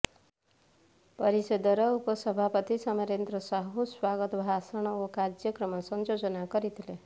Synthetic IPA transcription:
pʌɾisʌd̪ʌɾʌupʌsʌbʱapʌt̪isʌmʌɾent̪rʌsaɦoswaɡʌt̪bʱasʌɽ̃ʌkokad͡zjʌkrʌmʌsʌnd͡zod͡zʌnakʌɾit̪ʰile

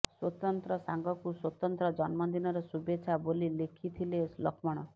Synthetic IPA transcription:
swɔt̪ɔnt̪ɾɔsaŋɡɔkuswɔt̪ɔnt̪ɾɔd͡ʒɔnmɔd̪inɔɾɔsubet͡ʃʰabolilekʰit̪ʰileslɔkʰmɔɽ̃ɔ

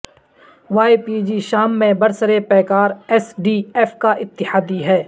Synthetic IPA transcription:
ʋaːipiːd͡ʒiʃaːmːẽbɐɾsəɾepɛːkaːɾɛsɖiːɛːfkaʔɪt̪ːɪhaːd̪iɦɛː

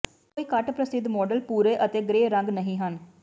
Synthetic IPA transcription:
koːiːkəʈpɾəsɪd̪mɔːɖəlpuːɾeːʔət̪eːɡɾeːɾəŋɡnəɦĩːɦən

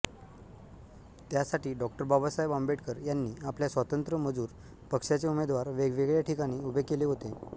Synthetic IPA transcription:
t̪jasaʈiːɖɔkʈəɾbabasajbambeʈkəɾjanːiːapljasʋat̪ənt̪ɾəməd͡zuːɾ | pəkʂjat͡seumed̪ʋaɾʋeɡʋeɡɭjaʈʰikaɽ̃iːubʱekeleɦot̪e

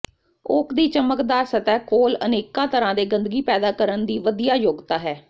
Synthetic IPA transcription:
ʊkʰd̪iːt͡ʃəməkd̪aːɾsət̪ɛːkoːlə̰neːkãːt̪əɾãːd̪eːɡə̃nd̪əɡiːpɛːd̪aːkəɾənd̪iːʋəd̪ijaːjoɡt̪aːɦɛː

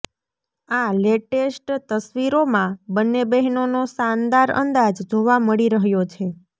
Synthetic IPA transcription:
aleʈesʈt̪əsʋiɾomãbənːebəɦnonosand̪aɾə̰nd̪ad͡ʒd͡ʒoʋaməɭiɾəɦjot͡ʃʰe

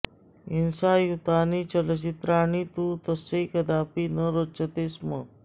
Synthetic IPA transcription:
insajut̪aːniːt͡ʃələt͡ʃit̪ɾaːnit̪ut̪əsekəd̪apinəɾot͡ʃət̪eːsmə

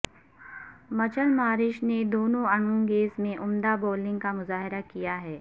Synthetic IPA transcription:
mɐt͡ʃəlmaːɾɪʃned̪oːnõɐɳ̃õŋɡeːsmẽʔʊmd̪aboːlɪ̃ŋɡkamʊzaːɦɪɾakijaɦɛː

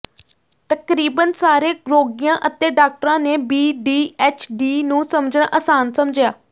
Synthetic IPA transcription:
t̪əkɾiːbənsaːɾeːɡɾoːɡijãːʔət̪eːɖaːk̚ʈɾãːneːbiːɖiːɛːt͡ʃʰɖiːnũːsəmd͡ʒnãːʔəsaːnsəmd͡ʒjaː

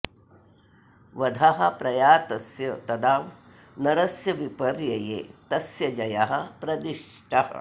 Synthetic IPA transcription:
ʋɐd̪ʱaɦɐ̆pɾɐjaːt̪ɐsjɐt̪ɐd̪aːʋ | nɐɾɐsjɐʋipɐɾjɐjḛːt̪ɐsjɐd͡ʒɐjɐɦɐ̆pɾɐd̪iʂʈɐɦɐ̰

